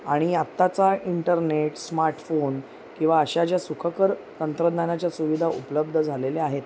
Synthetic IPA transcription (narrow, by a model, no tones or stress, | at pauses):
aɽ̃iat̪ːat͡saiɳʈəɾneʈsmaɾʈfon | kĩw̃ʋaəɕat͡ɕjasukʰəkəɾt̪ənt̪ɾəd̪nanjat͡ɕjasuʋid̪ʱaupələb̚d̪ʱəd͡zʱaleleaɦet̪